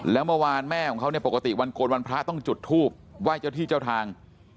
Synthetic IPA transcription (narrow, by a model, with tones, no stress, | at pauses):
lɛː˦˥wmɯː˥˧˨waː˧nmɛː˥˩kʰɔ˨˩˦ŋkʰni˥˩ɐpo˨˩ka˧t̪i˨˩wa˧nkoː˧nwa˧npʰɾa˦˥t̪ɔ˥˩ŋt͡ɕu˨˩t̪ʰːuː˥˩p̚waː˥˩jt͡ɕa˥˩t̪ʰiː˥˩t͡ɕa˥˩wt̪ʰaː˧ŋ